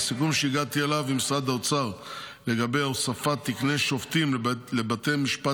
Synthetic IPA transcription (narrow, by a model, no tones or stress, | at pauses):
sikumʃeiɡat̪ielavimsad̪at͡saʁ | le̞ɡabejosafat̪ːikneʃoft̪imlebat̪ejmiʃpa